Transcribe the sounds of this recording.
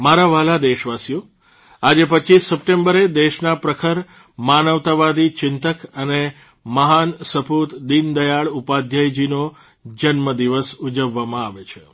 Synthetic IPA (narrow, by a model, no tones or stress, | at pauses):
maɾaʋalad̪eʃʋasijo | ad͡ʒepətːt͡ʃisːəp̚ʈẽmbəɾed̪eʃnapɾəkʰəɾ | manəʋt̪aʋad̪it͡ʃɪnt̪əkəne | məɦansəput̪d̪ind̪əjaɭupad̪ʱjəjd͡ʒino | d͡ʒənməd̪iʋəsud͡ʒəʋːamãaʋet͡ʃʰe̥